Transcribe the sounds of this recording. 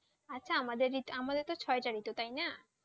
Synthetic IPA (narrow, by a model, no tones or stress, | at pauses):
atːɕʰaamad̪eɾːit̪oamad̪eɾt̪ɔt͡ɕʰɔeʈaɾit̪ot̪ajna